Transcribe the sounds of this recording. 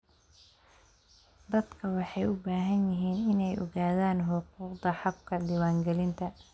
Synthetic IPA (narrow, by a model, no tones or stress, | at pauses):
d̪ɐd̪kʰɐwɑħɑjʊbaːɦɐnjɪɦiːnɪnɛjʔɔ̰ɣaːðaːnɦʊquːqd̪ɐħɑb̚kʰɐɖiwaːŋɡɛlɪnt̪ʰɐ